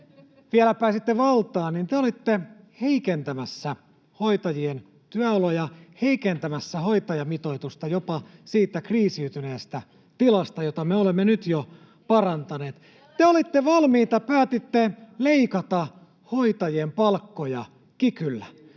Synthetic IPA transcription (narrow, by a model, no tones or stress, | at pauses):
ʋielæpæːsit̪ːeʋɑlt̪ɑːnnint̪eolit̪ːe | heikent̪æmæsːæ | hoit̪ɑjien | t̪yæolojɑheikent̪æmæsːæhoit̪ɑjɑmit̪oit̪ust̪ɑjopɑsiːt̪ːˑækriːsiyt̪yneːst̪æ | t̪ilɑst̪ɑjot̪ɑmeolemːenyt̪jo | pɑrɑnt̪ɑneːt̪ | t̪eolit̪ːeʋɑlmiːt̪ɑpæːt̪it̪ːeleikɑt̪ɑ | hoit̪ɑjiempɑlkːojɑ | kikylːæ